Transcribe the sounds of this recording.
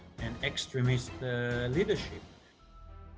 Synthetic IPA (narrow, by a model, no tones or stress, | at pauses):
ɨ̃nɛkstɹɛmɪstlidəʃɪp̚